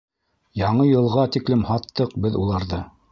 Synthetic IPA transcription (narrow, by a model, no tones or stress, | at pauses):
jɑɴɤjɤ̆lˠʁɑt̪iklɘmhɑt̪ːɤqbɘðulˠɑɾðɤ